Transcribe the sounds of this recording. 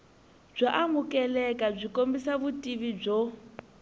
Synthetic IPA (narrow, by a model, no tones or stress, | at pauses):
b͡ʐaʔamukʼɛlɛkʼab͡ʐʷikʼombisaβutʼiβib͡ʐo